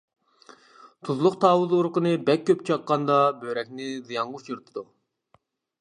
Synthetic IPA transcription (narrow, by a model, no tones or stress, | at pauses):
t̪ʰuzlˠʊqt̪ʰɑːwuðuɾqənɨbɛk̚ʲʰːøp̚t͡ʃʰɑqːɑnd̪ɑbøɾɛk̚ʲnɪzɨjɑŋʁuʃiɾt̪ʰɨd̪u